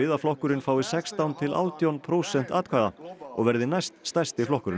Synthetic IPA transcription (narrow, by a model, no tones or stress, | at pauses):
ɪːðaflɔhkʏɾɪnfaːwvɪsɛkst̪awnt̪ʰɪlʔa̰ːwt̪jawnpʰɾoːwsɛn̥t̪a̰ːt̪kʰaːðaɔ̰ɣvɛɾðɪnajst̪st̪ajst̪ɪflɔhkʏɾɪ